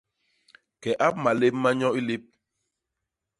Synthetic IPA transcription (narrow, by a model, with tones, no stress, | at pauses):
kɛ˨ʔa˦p̚ma˨le˦mː˦a˦ɲɔ̃˦i˦li˦p̚